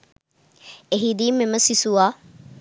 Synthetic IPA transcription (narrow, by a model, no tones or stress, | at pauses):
eɦid̪iːmːeməsisuaː